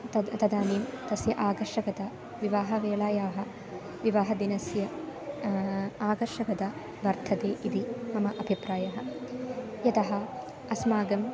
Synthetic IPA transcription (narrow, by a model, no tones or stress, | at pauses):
ɐt̪ɐd̪aːniːmt̪ɐsjɐʔaːɡɐɾʂɐkɐt̪ɐ | ʋiʋaːɦɐʋeːɭaːjaːɦɐ | ʋiʋaːɦɐd̪inɐsjɐ | aːɡɐɾʂɐkɐd̪ɐ | ʋɐɾt̪ʰɐt̪eːʔid̪imɐmɐʔɐbʱipɾaːjɐɦɐ̆ | jɐt̪ɐɦɐ | ɐsmaːɡɐm